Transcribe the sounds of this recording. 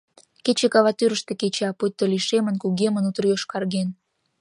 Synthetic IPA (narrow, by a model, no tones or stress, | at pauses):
ket͡ɕekɑβɑt̪yɾəʃt̪eket͡ɕɑput̪̚ʲt̪ːoliʃemə̆nkuɣemənut̪ərjoʃkɑrɣen